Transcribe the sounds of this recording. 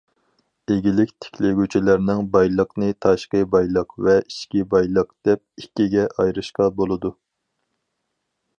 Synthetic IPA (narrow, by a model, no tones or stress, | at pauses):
eɡʲilɪkʲt̪ʰe̥kʲʰlɪɡʲyt͡ʃʰilæɾnɪŋbɑjlˠəqnɨt̪ʰɑʃqəbɑjlˠəqvɛiʃkʲibɑjlˠəq̚d̪̥ɛp̚ikʲːiɡʲɛʔɑjɾɨʃqɑbolˠɨd̪u